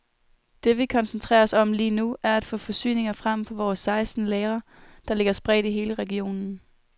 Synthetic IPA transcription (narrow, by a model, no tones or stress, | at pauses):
d̥e̝ʋikʰɒ̽nsənt͡sʰʁɛ̰ːɐɒsɒ̽mliːnuæɐæd̥fɔ̰fɒ̽sy̰ːne̝ŋɐfʁam̰fɒ̽ʋɒːsːɑ̈ɪsd̥n̩leːɐ | d̥ɑ̈le̝ɡ̥ɐsb̥ʁɛ̰d̥iɦe̝ːləʁɛɡ̥io̝̰ːnn̩